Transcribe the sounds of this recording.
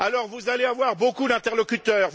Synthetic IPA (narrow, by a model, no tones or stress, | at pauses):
alɔʁvuzaleavwaʁbokud̪ɛ̃t̪ɛʁlɔkʲyt̪œːʁ